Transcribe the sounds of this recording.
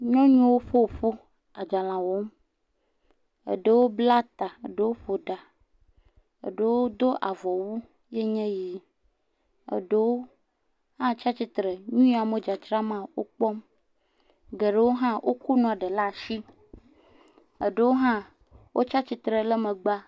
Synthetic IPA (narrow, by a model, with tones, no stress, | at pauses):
ɲɔ̃˦ɲũ˦wo˦ɸo˦˨ɸo˦ | a˨d͡ʒa˨lã˨wo˦m | ə̰˨ɖe˨wo˦bla˦t̪a˨ə̰˨ɖe˨wo˦ɸo˨ɖa˨ | ə̰˨ɖe˨wo˦d̪o˦ʔa˨vɔ˨wu˦ | je˦ɲɛ̃˦ji˨˦ | ə̰˨ɖe˦wo˦ | hã˦t͡ʃa˦t͡ɕi˦t̪ɾe˨ɲũ˦a˨me˨d͡ʒa˨t͡ʃɾa˦mã˨wo̰˦k͡pɔ˦m | ɡe˨ɖe˦wo˦ɦã˦wʔo˦ku˦nɔ̃˨a˨ɖe˨la˦˨ʃi˦ | ə̰˨ɖe˦wo˦ɦã˦ | wʔo̰˦t͡ʃa˦t͡ɕi˦t̪ɾe˨le˦mẽ˨ɡ͡ba˦